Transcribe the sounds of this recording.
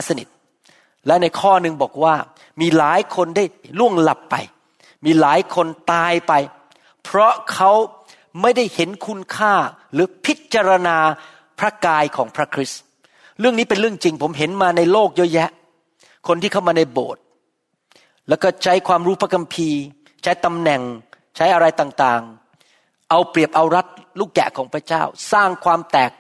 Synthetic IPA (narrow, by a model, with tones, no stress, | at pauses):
a˦˥sa˧nḭ˨˩t̪̚ | lɛ˦˥na˧jkʰɔː˥˩nɯ˧ŋbɔ̰ː˨˩k̚waː˥˩ | miː˧laː˩˦jkʰo˧ndaː˥˩jlu˥˩əŋla˨˩pːa̰˧j | miː˧laː˩˦jkʰo˧nt̪aː˧jpa˧j | pʰɾɔ˦˥kʰa˦˥w | ma˥˩jda˥˩jhe˩˦nkʰu˧nkʰaː˥˩ | ɾɯː˩˦pʰi˦˥t̪̚t͡ɕa˧ɾa˧naː˧ | pʰɾa˦˥kaː˧jkʰɔ̰ː˩˦ŋpʰɾa˦˥kʰɾi˦˥s | ɾɯ˥˩əŋniː˦˥pe˧nɾɯ˥˩əŋt͡ɕi˧ŋpʰo˩˦mɦe˩˦nmaː˧na˧jloː˥˩k̚jɔː˦˥jɛ˦˥ʔ | kʰo˧nt̪ʰiː˥˩ka˥˩wmaː˧na˧jbo̰ː˨˩t̪̚ | lɛː˦˥wkɔː˥˩t͡ɕʰa˦˥jkʰwaː˧mɾuː˦˥pʰa˦˥kʰa˧mpʰiː˧ | t͡ɕʰa˦˥jt̪a˧mnɛ˨˩ŋ | t͡ɕʰa˦˥jʔa˧ɾa˧jt̪aː˨˩ŋt̪aː˨˩ŋ | ʔa˧wpɾi˨˩əp̚ʔa˧wɾa˦˥t̪̚luː˥˩kːɛ̰˨˩ʔkʰɔː˩˦ŋpʰɾa˦˥t͡ɕaː˥˩wsaː˥˩ŋkʰwaː˧mt̪ɛː˨˩k̚